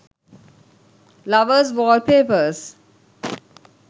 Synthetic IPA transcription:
laʋəsʋɔːlpeːpəs

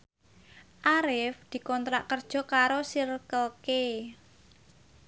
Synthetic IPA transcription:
ʔaɾɪfd̪̥i̤kɔnt̪ɾaʔkərd̥ʒ̥ɔ̤kaɾosirkəlke

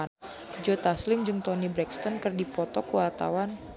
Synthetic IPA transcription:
d͡ʒot̪aslɪmd͡ʒɨŋt̪ɔnibɾɛkst̪ɔnkɨrdipɔt̪ɔkəwart̪a̰wan

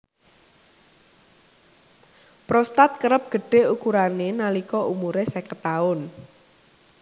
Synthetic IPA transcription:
pɾɔst̪at̪̚kəɾəp̚ɡ̥ə̤ɖ̥e̤ukuɾanenalikɔʔumuɾesɛkət̪aʊn

